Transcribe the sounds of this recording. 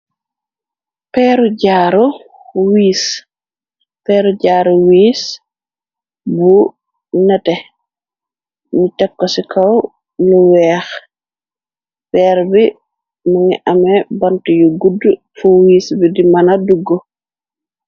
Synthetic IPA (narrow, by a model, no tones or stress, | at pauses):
pɛːɾuɟaːɾu | wiːs | pɛːɾuɟaːɾuwiːs | bu | nɛtɛ | mitɛkːɔsikʰɐw | luwɛːx | pɛːɾbi | maŋiʔamɛbantujuɡudː | fuwiːsbidimɐnaduɡːo